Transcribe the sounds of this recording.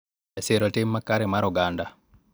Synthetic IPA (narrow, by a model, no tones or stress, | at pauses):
ɛseɾɔtemːakːaɾɛmaɾɔɡanda